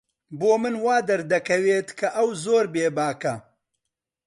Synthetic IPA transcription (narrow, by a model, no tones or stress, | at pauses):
boːmɨnwaːd̪ɐɾd̪ɐkʰɐweːt̪kʰɐʔɐwzoːɾbeːbaːkɐ